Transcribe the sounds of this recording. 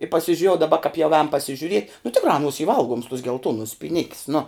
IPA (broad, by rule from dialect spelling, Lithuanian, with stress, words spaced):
ɪ pɐsʲɪʒʲʊˈrʲeːjɛʊ dɐˈbɐ kɑːp jɛʊ ɛːn pɐsʲɪʒʲʊˈrʲiɛtʲ nʊ ˈtʲɪkrɑː ɐˈnuɔs iː ˈʋɐlˠɡuɔms tuɔs ɡʲɛlˠˈtuɔnʊs pʲiːˈnʲɪkʲs nʊ